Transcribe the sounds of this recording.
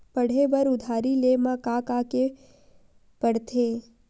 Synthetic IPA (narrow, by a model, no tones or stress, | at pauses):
pəɽ̤eʋəɾʊd̪ʱaːɾilemãkakake | pəɽt̪ʰeː